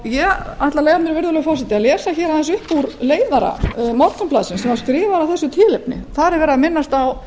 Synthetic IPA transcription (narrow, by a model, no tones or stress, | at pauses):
jɛaht̪laleːjɣamnɪɾvɪɾðʏlʏɣfɔwrsɪt̪ɪaðlɛːsaçɛːɾawθɛnsʏhpuɾleːjðaɾa̰mɔt̪amplaðsɪnsɛmvaskɾɪːvaɾawθɛsːʏt̪ʰɪːlɪpnɪ̰θaðɾɛɾvɛːɾɪamɪnːast̪aw